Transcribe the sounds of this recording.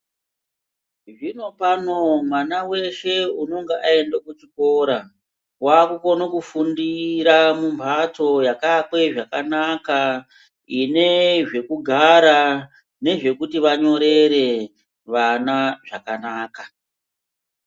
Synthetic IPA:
ʐino̞pano̞mwanawe̞ʃe̞uno̞ŋɡeʔae̞ndakut͡ʃiko̞ːɾa | waːkuko̞nokufundiɾamumpato̞jakakwe̞ʐakanaka | ine̞ʐe̞kuɡʱaɾa | ne̞ʐe̞kutiʋaɲo̞ɾe̞ɾe̞ | ʋanaʐakanaːka

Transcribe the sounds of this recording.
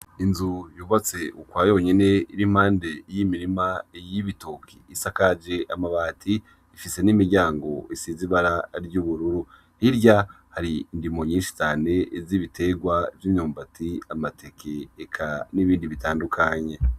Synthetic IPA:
inzujuːβat͡se̞ukwajo̞ːɲene̞iɾim̥haːnde̞jimiɾimajiβito̞kʰiːsakad͡ʒe̞ʔamaβaːtʰiː | fise̞nimiɾɟaːŋɡo̞isiːziβaɾaɾɟuːβuɾuɾu | hiɾɟa | haɾiːndimo̞ɲiːnʃi̥t͡ʃaːne̞ziβitʰe̞ɡwaviːmɲuːmbatʰiamatʰe̞kʰeːkʰaniβiːndiβitaːndukʰaɲe̞

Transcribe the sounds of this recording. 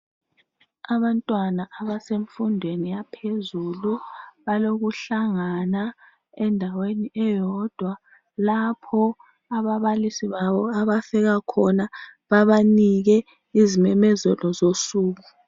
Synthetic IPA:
aβantʼwanaʔaβaseɱfundʱwenijapʰezuluβaloɣuɬaŋana | ɛndʱaweniʔɛjɔd̥ʱwa | lapʰɔ | aβaβalisiβaβɔaβafɛɣakʰɔnaβaβaniɣɛ | izimɛmɛzɛlɔzosuːɣu

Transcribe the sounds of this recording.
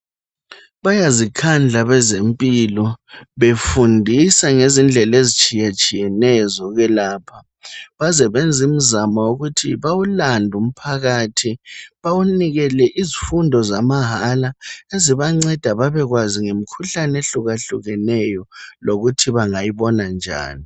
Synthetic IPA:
βajazikʰand͡ɮʱaβɛzempʼilɔβefundʱisaŋezind͡ɮʱɛlezit͡ʃʼijat͡ʃʼijɛnɛzɔɣɛlaːpʰa | βazɛβɛnd͡zʱim̩zamauɣutʰiβawulandʱum̩pʰaɣaːtʰiβawuniɣɛlɛʔizifundʱɔzamaɦalaeziβaŋ͡ǀɛd̥ʱaβaβɛɣwaziŋem̩kʰuɬaneɬuɣaɬuɣɛnɛjɔloɣutʰiβaŋajiβɔnand͡ʒʱa̰ːni

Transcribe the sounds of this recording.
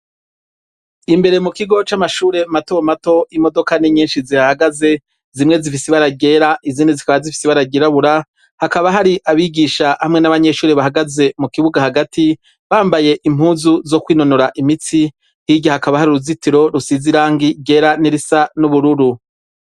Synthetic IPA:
imbe̞ɾe̞mukiɡo̞t͡ʃamaʃuːɾe̞matowmato̞imo̞do̞kaniɲiːnʃiziɾahaɡaze̞ | zimŋe̞zifisiβaɾaɡe̞ːɾaʔizinezikaβazifi̥siβaɾaɡeɾaβuɾa | hakaβaɦaɾiʔaβiɡiːʃahamŋe̞naβaɲe̞ʃuːɾeβahaɡaze̞mukiβuɡahaɡatʰi | βaːmbaje̞ʔim̥huːzuzo̞kwiːno̞noɾaʔimit͡si | hiɟahakaβahaɾiɾuzitiɾo̞ɾusiziɾaːŋɡiɟe̞ːɾaniɾisanuβuɾuɾu

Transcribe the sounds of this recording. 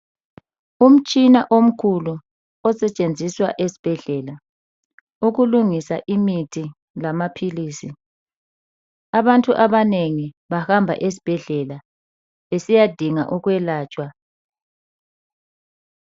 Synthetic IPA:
um̩t͡ʃʼinaʔom̩kʰulu | ɔsɛt͡ʃʼend͡zʱiswa̰ʔesi̥b̥ʱɛɮɛla | uɣuluŋisaʔimitʰi | lamapʰiliːsi | aβantʼuʔaβaneŋi | βahambʱa̰ʔes̬i̥b̥ʱɛɮɛla | esijad̥ʱiŋa̰ʔuɣwɛlaːt͡ʃʼwa

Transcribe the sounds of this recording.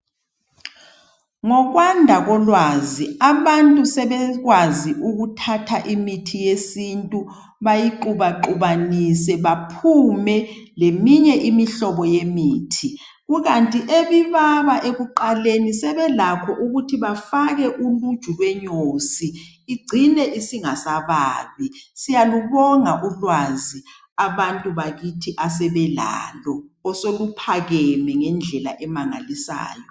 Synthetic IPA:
ŋɔk̬wandʱaɣ̬ɔlwaziaβantʼusɛɓɛk̬waziʔuk̬utʰatʰaʔimitʰijesintʼu | ɓajiǃuɓaǃuɓanisɛɓapʰumɛlemiɲɛʔimiɬɔɓɔjemiːtʰi | ɣuk̬antʼiʔeβiβaɓaʔekuǃalenisɛβɛlakʰɔʔuɣutʰiβafaɣɛʔulud̥ʒ̥ʱulwɛɲoːsiː | ɡ͡ǀʱinɛʔisiŋasaβaːlwisijaluβɔŋaʔulwazi | aβantʼuβaɣitʰiʔasɛβɛla̰lɔɔsolupʰaɣɛmɛŋɛnd͡ɮʱɛla̰ʔɛmaŋa̰lisa̰ːjɔ

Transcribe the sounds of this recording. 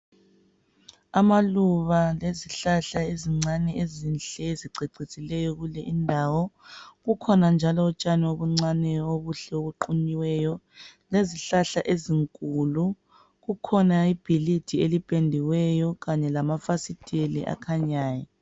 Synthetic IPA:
amaluβaleziɬaɬaeziŋ͡ǀanɛezinɬɛziǀiǀisʼilɛjɔɣulɛʔindʱawɔɣukʰɔnand͡ʒʱalɔːt͡ʃʼanioβuŋ͡ǀanɛoβuɬɛoβuǃuɲiwɛjɔ | leziɬaɬaʔeziŋkʼulu | ɣukʰɔnaib̥ʱilid̥ʰʱielipʼendʱiwɛjɔɣaɲɛlamafasitʼelḭʔa̰kʰaɲaːjɔ

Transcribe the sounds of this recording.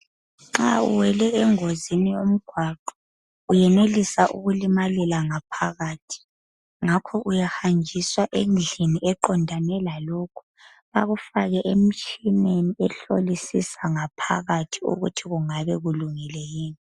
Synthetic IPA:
ŋ͡ǁaṵwɛlɛɛŋozinijom̩ɡ̥ʱwaǃɔ | ujɛnelisaʔṵɣulimalilaŋapʰaɣaːtʰi̥ | ŋakʰɔʔujahand͡ʒʱiswaʔend͡ɮʱiniɛǃɔndʱanɛlaloːkʰu̥ | βa̰ɣufaɣɛʔem̩t͡ʃʰʼineniɛɬolisisaŋapʰa̰ɣatʰiṵɣṵtʰiɣuŋaβɛɣuluŋilɛjiːni

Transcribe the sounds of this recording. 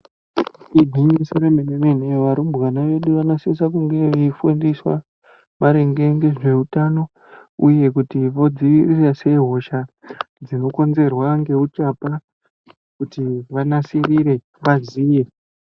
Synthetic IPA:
iɡʱiŋɡisoɾemenemeneʋaɾumbɣanaʋe̞ɗuʋanosis̬akuŋɡe̞ʋefundiswa̰ | maɾeŋɡeŋɡe̞ʐe̞utano̞ | uje̞kutiʋo̞d͡ziʋirirase̞ɦo̞ʃa | d͡zino̞ko̞nze̞rwaŋɡe̞ut͡ʃapa | kutiʋanasiriɾe̞ | ʋaziːje

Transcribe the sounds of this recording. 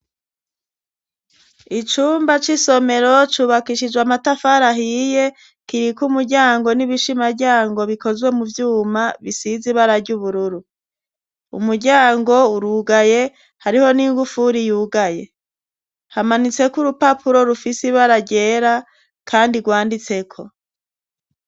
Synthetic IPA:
it͡ʃuːmbat͡ʃiso̞me̞ɾo̞t͡ʃuːβakiʃid͡ʒɡwamatafaɾaɦije̞ | kiɾikumuɾɟaːŋɡo̞niβiʃimaɾɟaːŋɡo̞βiko̞zɡwe̞muvjuːmaβisiziβaɾaɾɟuβuɾuɾu | ṵmuɾɟaːŋɡo̞uɾuːɡaje̞ | haɾiho̞niːŋɡufuɾijuːɡaje̞ | hamanit͡se̞kuɾupapʰuɾo̞ɾufisiβaɾaɟe̞ːɾa | kʰaːndiɡwaːndit͡se̞kʰo̞

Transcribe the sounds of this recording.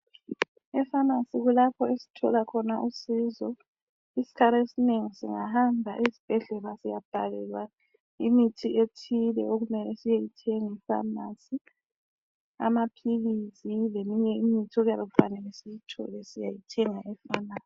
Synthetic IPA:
ɛfanasiɣulapʰɔesi̥tʰɔlakʰɔnaʔusizɔ | isi̥kʰaɾaesineŋisḭŋahambʱaʔezib̥ʱɛɮɛlasijab̥ʱalɛlwa | imitʰiʔetʰilɛoɣumɛlɛsijejitʰɛŋifa̰nasi | a̰mapʰiɣizilemiɲɛimitʰioɣjaβɛɣufanɛlɛsijitʰɔ̰lɛsijajitʰɛŋaʔɛfanaːsi̥

